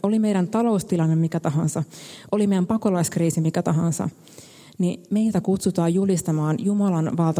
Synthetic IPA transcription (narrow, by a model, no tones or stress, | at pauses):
o̞lime̞jɾænt̪ɑlo̞ust̪ilɑnːemmikæt̪ɑɦɑnsɑʔo̞limejæmpɑkolɑiskriːsimikæt̪ɑɦɑnsɑ̰ | nime̞jlt̪ækut̪sut̪ɑːjjulist̪ɑmɑːnjumɑlɑnʋɑlt̪ɑ